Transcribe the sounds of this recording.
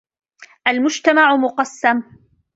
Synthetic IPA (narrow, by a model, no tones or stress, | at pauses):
ʔalmʊd͡ʒt̪amaʕʊmʊqɑsːam